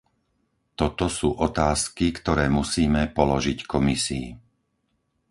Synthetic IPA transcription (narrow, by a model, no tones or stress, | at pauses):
t̪ɔt̪ɔsuːʔɔt̪aːskikt̪ɔɾɛːmusiːmɛpɔlɔʒickʰɔmisḭː